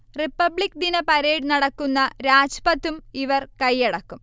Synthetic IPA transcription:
ripːɐbɭikːd̪inɐpɐɾeːɽnɐɽɐkːunːɐɾaːd͡ʑpɐt̪ːumiʋɐrkɐjːeɽɐkːum

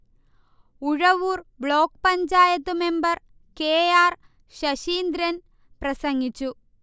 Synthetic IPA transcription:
uɻɐʋuːrbɭo̞ːkpɐɲd͡ʑaːjɐt̪ːume̞mbɐr | keːjaːr | ɕɐɕiːnd̪ɾɐn | prɐsɐŋɡit͡ɕːu

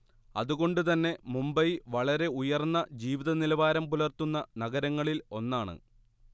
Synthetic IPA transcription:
ɐ̰ðuɣo̞ɳɖut̪ɐnːe̞mumbɐjʋɐɭɐɾe̞ujɐrnːɐd͡ʑiːʋiðɐnilɐʋaːɾɐmpulɐrt̪unːɐnɐɡɐɾɐŋːɐɭilo̞nːaːɳɨ̰

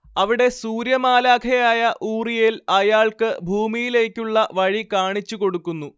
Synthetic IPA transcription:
ɐʋiɽe̞suːɾjɐmaːlaːkʰɐjaːjɐʔuːrijilɐjaːɭkɨbʱuːmijile̞ːkʲːuɭːɐʋɐɻikaːɳit͡ɕːuko̞ɽukːunːu

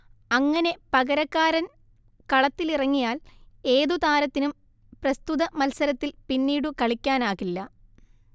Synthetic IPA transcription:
ɐŋːɐne̞pɐɣɐɾɐkːaːɾɐn | kɐɭɐt̪ːilirɐŋːijaːle̞ːðut̪aːɾɐt̪ːinum | prɐst̪uðɐmɐlsɐɾɐt̪ːilpinːiːɽukɐɭikʲːaːnaːɣilːɐ

